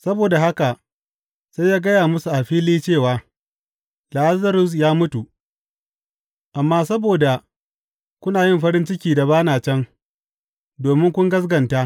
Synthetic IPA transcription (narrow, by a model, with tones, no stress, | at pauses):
sɐ˦boː˨da˨ha˦ka˨ | sa˦jaː˦ɡɐ˦jaː˨mʊ˦su˨ʔa˨ɸiː˦liː˦t͡ʃeː˦˨waː˨ | la˨ha˦zɐ˦ɾʊ˨s̬jaː˦mʊ˦tu˨ | ʔa˨mːaː˦sɐ˦boː˨da˨ | kʷʊ˦naː˨jɪ˦mɸɐ˦ɾɪ˦nt͡ʃɪ˦kʲiː˨da˨βaː˦naː˨t͡ʃɛ˦ŋ | doː˨mɪ˦ŋkʷʊ˦ŋɡɐ˦s̬ɡɐ˨ntaː˦